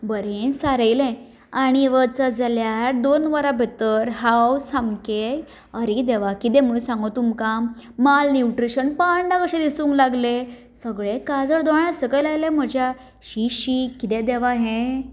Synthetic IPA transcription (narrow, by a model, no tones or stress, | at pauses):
bəɾẽsaɾəjlẽ | aɽ̃iʋət͡səd͡zəljaɾd̪onʋaɾabʱet̪əɾɦawsamkej | əɾid̪eʋakit̪ẽm̤əɭũsãŋɡot̪umka | malnjuʈɾiɕənpaɳɖakəɕẽd̪isũŋklaɡle | səɡɭekad͡zəɾd̪ɔɽ̃ãsəkəjlajlẽm̤əd͡ʑja | ɕiɕikːit̪ẽd̪eʋaɦẽ